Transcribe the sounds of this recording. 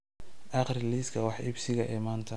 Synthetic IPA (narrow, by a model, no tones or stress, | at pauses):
ʔɑqrɪliːskʰɐwɑħʔɪbsɪɣɐʔɛːmaːnt̪ʰɐ